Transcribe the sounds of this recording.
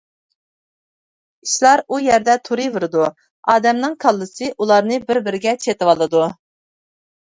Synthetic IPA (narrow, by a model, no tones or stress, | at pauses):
iʃlˠɑɾujɛɾd̪ɛt̪ʰuɾɨvɨɾɨd̪u | ɑːd̪ɛmnɨŋkʰɑlˠːɨsɨʔulˠɑɾnɨbɪɾbɪɾɪɡʲɛt͡ʃʰet̪ɪwɑlˠɨd̪u